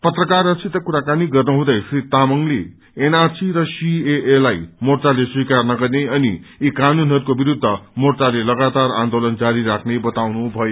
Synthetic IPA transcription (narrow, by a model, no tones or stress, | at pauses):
pʌt̪rʌkarʌsit̪ʌkuɾakaniɡʌrnuɦũd̪ʌjpʰrit̪amʌŋle | enarsiɾʌsieʔelajmort͡saleswikarnʌɡʌrneʌni | ikanunɦʌɾukobiɾud̪ʱːʌmort͡salelʌɡat̪ara̰nd̪olʌnd͡zaɾiɾakʰnebʌt̪awnubʱʌjo